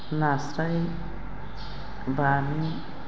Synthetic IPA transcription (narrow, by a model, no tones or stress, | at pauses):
nasɾʌj | bami